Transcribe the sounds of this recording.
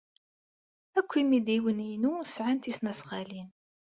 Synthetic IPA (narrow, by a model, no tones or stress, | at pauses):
ækʷːimid̪iwəninusʕant̪isnæsʁalin